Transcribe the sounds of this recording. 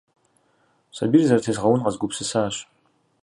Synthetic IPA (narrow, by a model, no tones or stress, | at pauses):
sɐ̰birzɐɾtʰeːzʁɐwʊnʁɐzɡʷʊpsɨsaːɕ